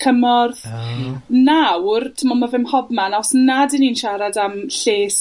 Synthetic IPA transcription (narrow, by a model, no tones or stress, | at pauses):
kʰəmɔrð | nawrtʰɪmɔnmavɪmhɔbmanɔsnadɪniːnʃaɾadamɬeːs